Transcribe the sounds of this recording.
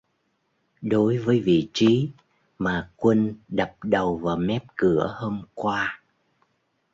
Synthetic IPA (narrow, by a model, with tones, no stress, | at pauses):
ɗo˨˦jvəː˨˦jvḭ˧˨t͡ɕi˨˦ | maː˨˩kwə˧nɗə˨˩p̚ɗə˨˩wvaː˨˩wmɛ˦˥p̚kɨ˧˩əho˧mkwaː˧